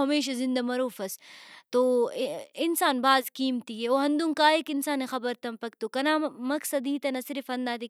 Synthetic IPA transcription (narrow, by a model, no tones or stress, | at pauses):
ɦɐmeːʃ̬ɐzɪ̃nd̪ɐmɐɾuːfɐst̪oː | ɪnsaːnbaːzkiːmt̪ieoːɦɐnd̪uŋkaːɦekɪnsaːnexɐbɐɾt̪ɐmpɐk̚t̪ukɐnaːmɐksɐd̪iːt̪ɐnɐsɪɾifɐnd̪aːt̪i